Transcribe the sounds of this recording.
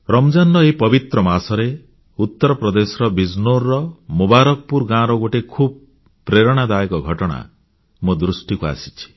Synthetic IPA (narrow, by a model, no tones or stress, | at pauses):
ɾɔmd͡ʒanːɔepɔbit̪ɾɔmasɔɾe | ut̪ːɔɾɔpɾɔd̪esɔɾɔbid͡ʒnoɾːɔmubaɾɔk̚puɾɡãɾɔɡoʈekʰub̚ | pɾeɾɔɽ̃ad̪ajkɔɡʱɔʈɔɽ̃a̰ | mod̪ɾusʈikua̰si̥t͡ʃʰi̥